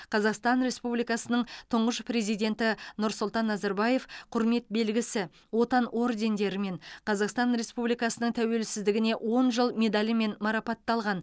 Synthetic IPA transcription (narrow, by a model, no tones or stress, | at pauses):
qʰɑzɑqst̪ɑnɾe̞spublijkɑsənəɴt̪ʰʊɴʁəʃpre̞zijd̪ʲe̞nt̪ɪnʊɾsʊlˠt̪ɑnːɑzɑɾbɑje̞fqʰʊɾme̞t̪̚be̞lɡʲɪsɪ | wo̞t̪ɑno̞rd̪e̞nd̪e̞ɾɪme̞ɴqʰɑzɑqst̪ɑnɾe̞spublijkɑsənəɴt̪ʰæwe̞lsɪzd̪ɪɡʲɪne̞ʔwʔo̞nʒəlˠme̞d̪alʲɪme̞nmɑɾɑpɑt̪ːɑlˠʁɑn